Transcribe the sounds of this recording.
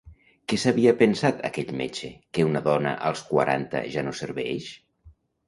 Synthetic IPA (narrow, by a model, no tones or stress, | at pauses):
kɛsaβiapensat̪ə̰kɛʎmet͡ʃekeunəðɔnə̰ʔəlˠskwa̰ɾʔa̰nt̪ə̰ʒanoseɾβɛʃ